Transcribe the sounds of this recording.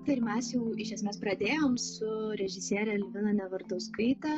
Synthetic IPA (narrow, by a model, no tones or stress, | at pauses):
t̪ɐɪɾmʲɛsjɛʊɪʃʲɛsʲmʲeːspɾɐd̪ʲeːjoːmsʊɾʲɛʒʲɪsʲiːɾʲɛlʲʋʲɪnɐnʲɛʋɐɾt̪oːskɐɪt̪ɐ